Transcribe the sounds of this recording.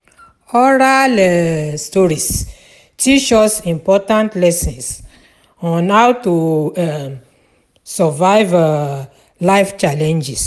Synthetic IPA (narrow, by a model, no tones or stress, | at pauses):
ɔɹalɛstɔɹis | tit͡ʃɔsĩmpɔtãntlɛsĩns | ɔ̃nhawtu | sɛvajv | lajft͡ʃalɛ̃nd͡ʒis